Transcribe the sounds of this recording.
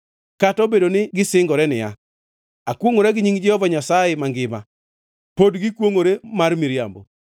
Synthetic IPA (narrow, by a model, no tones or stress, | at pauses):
katɔbedonɪɡɪsɪŋɡɔɾɛnɪja̰ | akwoŋoɾɛɡɪɲiŋd͡ʒɛhɔvaɲasajemaŋɡɪma̰ | podɡɪkwoŋoɾemarmiɾja̰mbo̰